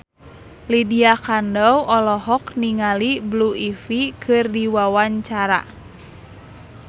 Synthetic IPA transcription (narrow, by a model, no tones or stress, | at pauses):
lidiakandɔwɔlɔɦɔkniŋalibluifikʰɨrdiwawaɲt͡ʃaɾa̰